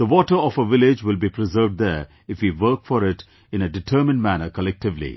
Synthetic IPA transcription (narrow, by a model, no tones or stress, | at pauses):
d̪̥əʋɔːʈəɾɔfəʋɪlɪd͡ʒwɪlbipʰɾɪzəːvɖd̪ə | ɪfwiʋəːkfɔɾɪʈ | ɪ̃nəɖɪʈʰəːmɪ̃nɖmænəkəlɛk̚ʈɪʋlḭ